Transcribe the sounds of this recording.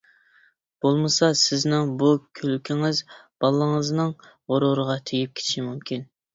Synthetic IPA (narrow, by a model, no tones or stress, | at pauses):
b̥olˠmɨsɑsɪznɪŋbukʲʰølykʲʰiŋɪzb̥ɑlˠːəŋəznɨŋ | ʁoɾoɾəʁɑt̪ʰejip̚kʲʰe̥t̪ʰi̥ʃimymkʲʰin